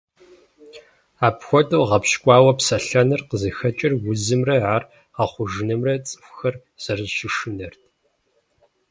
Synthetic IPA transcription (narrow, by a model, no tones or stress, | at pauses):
aːpxʷɔtʼuːʁɐpʃkʷʼɑːwɐpsɐɬɐnɨrqəzɨxɐt͡ʃʼɪrwʊzɨmrɐʕaːr | ʁɐχʷʊʒɨnɨmrɐt͡sʼɨ̥fʷxɐr | z̥ɐrzʃɪʂɨnɐrtʰ